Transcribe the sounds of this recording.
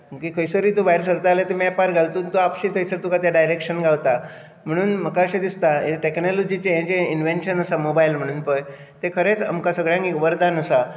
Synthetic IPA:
məkikʰəjsoɾit̪ubajɾsəɾt̪alet̪emiapaɾɡʱalt̪unt̪oapɕĩt̪ʰəjsəɾt̪ukat̪jaɖajɾekɕənɡʱaʋt̪a | m̤əɽ̃uːnm̤əkaɕed̪ist̪aḛʈeknɔlɔd͡ʑit͡ɕejãt͡ɕeinʋenʈɕənəsamobajilm̤əɽ̃uːnpəj | t̪ekʰəɾet͡sa̰mkasəɡɭjãŋiuʋəɾd̪anəsa

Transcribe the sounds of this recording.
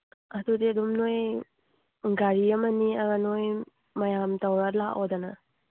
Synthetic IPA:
ɐdudiɐdumnoj | ɡaɾiɐmɐniɐɡanoj | mɐjamtɐwɾalaʔodɐnɐ

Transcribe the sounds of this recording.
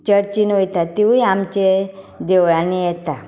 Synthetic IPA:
t͡ɕəɾt͡ɕinojt̪at̪iũiamt͡ɕe | d̪eʋɭanijɛt̪a

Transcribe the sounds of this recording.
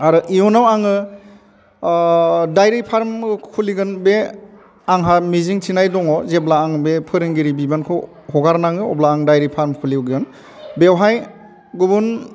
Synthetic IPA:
aɾɯʔijɔnawaŋɯ | dajɾipʰaɾmkʰuliɡɯnbe | aŋɦamiziŋtʰinajdɔŋɔzeblaːŋbepʰɯɾɯŋɡiɾibibankʰɯ | hɔɡaɾnaŋɯɔblaːŋdajɾipʰaɾmkʰuliwɡɯn | bewɦaj | ɡubun

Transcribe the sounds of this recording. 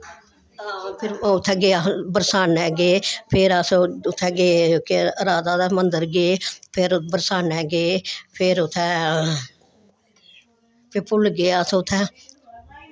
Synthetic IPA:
pʰɪɾʊt̪ʰːɛːɡeːaːbəɾsaːnɛːɡeːpʰɪɾəsoʊt̪ʰːɛːɡeːkeəɾaːd̪aːd̪aːmənd̪əɾɡeːpʰɪɾbəɾsaːnɛːɡeːpʰɪɾʊt̪ʰːɛː | pʰɪpʊlɡeːasõʊt̪ʰːɛ̃ː

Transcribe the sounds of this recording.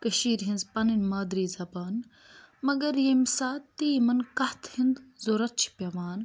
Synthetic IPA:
kɐʃiːɾɦinzpɐninmaːd̪ɾiːzɐbaːn | mɐɡɐɾjemsaːt̪ːiːmɐnkɐht̪ʰhind̪zoɾɐt̪̚t͡ʃʰi̥pʲɐʋaːn

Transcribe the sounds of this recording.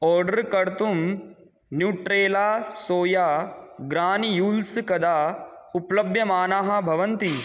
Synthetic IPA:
ɔːɾɖɐɾkɐɾt̪um | njuːʈɾeːlaːsoːjaːɡɾaːnjuːlskɐd̪aːuplɐbʱjɐmaːnaːɦɐbʱɐʋɐnt̪i

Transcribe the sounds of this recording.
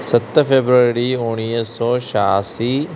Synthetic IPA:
sɐt̪ːɐpʰebɾɐɾɾioːnijɐsoːʃaːsi

